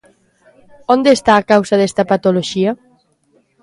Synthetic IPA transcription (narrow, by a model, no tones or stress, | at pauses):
ond̪est̪aːkawsaðest̪ɐpat̪oloʒia